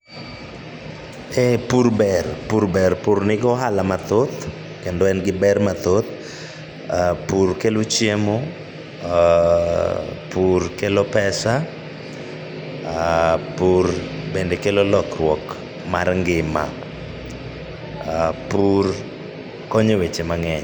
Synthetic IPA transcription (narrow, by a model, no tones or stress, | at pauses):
epuɾbɛrpuɾbɛrpurnɪɡɔɦalamat̪ot̪ | kendɔɛnɡɪbɛrmat̪ot̪̚ | purkelot͡ʃjemo | purkelopɛsa | purbendekelolɔkrwɔk | marŋɡɪma̰ | pur | kɔɲewet͡ʃemaŋɛɲ